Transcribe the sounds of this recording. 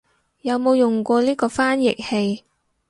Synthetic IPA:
jɐ˨˧wmo˨˧wjʊ˨˩ŋkʷɔː˧liː˥kɔː˧faː˥njɪ˨k̚he˧j

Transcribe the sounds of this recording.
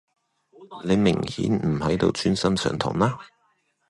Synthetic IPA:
le˨˧jmɪ˨˩ŋhḭː˨˥nm̩˨˩hɐ˨˥jt̪o̰˨˧wt͡ʃʰyː˥nsɐ˥msœ̰ː˨˧ŋt̪ʰʊ̰˨˩ŋlaː˥

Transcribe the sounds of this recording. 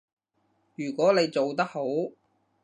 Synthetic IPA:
jyː˨˩kʷɔː˨˥ne˨˧jt͡so˨wt̪ɐ˥k̚ho˨˥w

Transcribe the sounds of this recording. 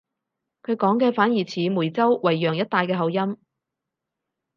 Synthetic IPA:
kʰɵ˨˧ɥkɔː˨˥ŋkɛː˧faː˨˥njiː˨˩t͡sʰiː˨˥mu˨˩jt͡sɐ˥wwɐ˨˩jːœː˨˩ŋjɐ˥t̚t̪aː˧jkɛː˧ɦɐ˨˧wjɐ˥m

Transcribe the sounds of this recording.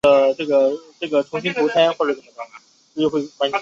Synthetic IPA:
ə˩ʈ͡ʂɤ˥˩ɡə˩ʈ͡ʂɤ˥˩ɡə˩ʈ͡ʂʰʊ˧˥ŋɕi˥nt̪ʰu˧˥tʰa˥nxwɔ˥˩ə˧˩ʂə˧˩nə˥˩o˧˩˥ | t͡ɕo˥˧xwe˥˩ɪkwa˧˥nt͡ɕʰ

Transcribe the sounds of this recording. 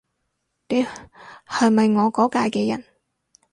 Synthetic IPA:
ne˨˧jhɐ˨˩mɐ˨jŋɔː˨˧kɔː˨˥kaː˧jkɛː˧jɐ̰˨˩n

